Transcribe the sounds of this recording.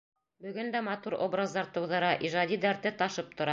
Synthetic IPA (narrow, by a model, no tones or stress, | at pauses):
bɵ̆ɡɵnd̪æmɑt̪uɾo̞̰brazd̪ɑɾt̪ɤ̆wðɤ̆ɾɑʔiʒɑd̪ʲid̪æɾt̪ɘt̪ɑʃɤp̚t̪ŏɾɑ